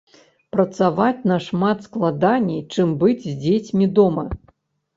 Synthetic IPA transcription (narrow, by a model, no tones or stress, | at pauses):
pɾɐt̪savat͡sʲnɐʂmat̪sklˠad̪anʲːɛjt͡ʂɨmbɨd͡zʲzʲd͡zʲet͡sʲmʲid̪ɔmɐ